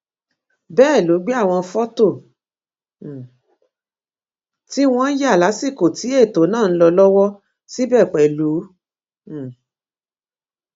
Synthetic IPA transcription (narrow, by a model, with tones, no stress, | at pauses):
bɛː˦˨lu˨˦ɡ͡be˦a˦˨w̃ɔ̃˧fɔ˦to˦˨ | ti˦w̃ɔ̃˧n̩˦ja˦˨la˨˦si˦˨ko˨ti˨˦e˦˨to˨˦nãː˦˨n̩˦lɔ˧lɔ˦wɔ˦ | si˦bɛ˦˨k͡pɛ˨lu˨˦˨